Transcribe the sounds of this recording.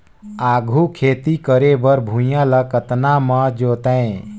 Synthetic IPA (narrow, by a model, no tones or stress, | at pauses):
aɡʱukʰeːt̪ikəɾebəɾbʱũjãləkət̪naməd͡ʒot̪əẽ